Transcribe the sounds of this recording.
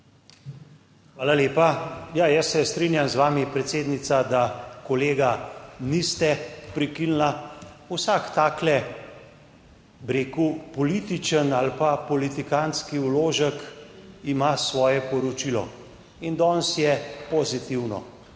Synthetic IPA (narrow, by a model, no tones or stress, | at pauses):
xʋaːlaleːpajajəsːɛst̪ɾinjamzʋaːmipɾɛt̪seːd̪nit̪sad̪akɔleːɡanist̪ɛpɾikilna | usaːkt̪aːklɛ | bɾeːkupɔlit̪it͡ʃənalpapɔlit̪ikanskiwloːʒəkimasʋɔːjɛpɔɾɔt͡ʃilɔ̰ | ind̪ɔːnsjɛpozit̪iwnɔ̰